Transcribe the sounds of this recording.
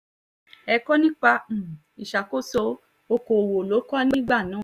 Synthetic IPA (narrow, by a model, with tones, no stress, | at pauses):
ɛ˧kɔ˦nĩ˦k͡pã˧˨ | i˨ʃa˨ko˦so˧ | o˧ko˨wo˨lo˨˦kɔ˦nĩ˦ɡ͡ba˦˨nãː˨˦˨